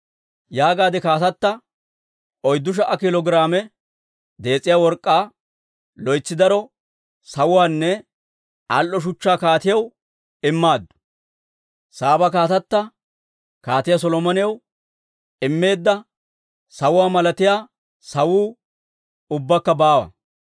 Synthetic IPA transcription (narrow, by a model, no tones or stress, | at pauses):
jaːɡaːd̪ɪkaːt̪ɐt̪ːɐ | ʔɔjd̪ːʊʃ̬ɐʔɐkɪlɔɡɪɾaːmɛ | d̪e̞ːt͡sʼːɪjaːwɔɾkʼːaː | lɔjt͡sːɪd̪ɐɾɔ | sɐwʊwaːnːɛ | ɐlʔːɔʃ̬ʊt͡ʃːaːkaːt̪ɪjɐw | ɪmːaːd̪ːʊ̥ | saːbɐkaːt̪ɐt̪ːɐ | kaːt̪ɪjɐs̬ɔlɔmɐnɪjɐw | ʔɪmːe̞ːd̪ːɐ | sɐwʊwaːmɐlɐt̪ɪjaː | sɐwuː | ʊbːɐkːɐbaːwɐ̰